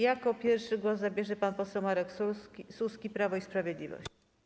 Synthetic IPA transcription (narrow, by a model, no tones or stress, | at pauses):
jakɔpʲjɛɾfʂɘɡwɔszabʲjɛʐɛpanpɔsɛwmaɾɛksususkʲipɾavɔispɾavʲjɛd̪lʲivɔ̰ɕt͡ɕ